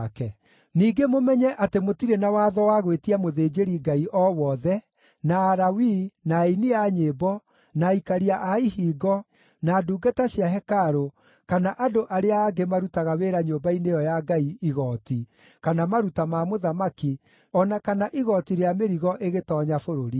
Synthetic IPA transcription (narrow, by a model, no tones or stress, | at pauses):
kɛ | niːɡemomɛɲɛʔatemotiɾenawaːðɔwaɣwetiamoðeːd͡ʒeɾiɡaiʔɔwɔðɛ | naːɾawinainiaɲebɔ | naikaɾiaʔaihiːɡɔ | naːduːɡataɕjaɦɛkaɾo | kanaʔadoʔaɾeaːɡemaɾutaɣaweɾaɲobainejɔjaɡaiiɣɔti | kanamaɾutamamoðamaki | ɔnakanaʔiɣɔtiɾeameɾiɣɔʔeɣetɔːɲafoɾoɾi